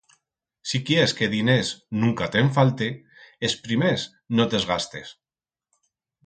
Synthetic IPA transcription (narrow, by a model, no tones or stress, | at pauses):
sikjeskeðineznuŋkat̪eɱf̬alt̪e | espɾimes | not̪ezɣ̞ast̪es